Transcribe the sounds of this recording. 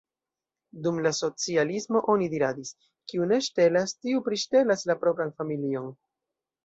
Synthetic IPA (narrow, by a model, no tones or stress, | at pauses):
dumlaso̞t͡sialismo̞ʔo̞nidiɾadis | kiune̞ʃte̞lastiupɾiʃte̞laslapɾo̞pɾanfamilio̞n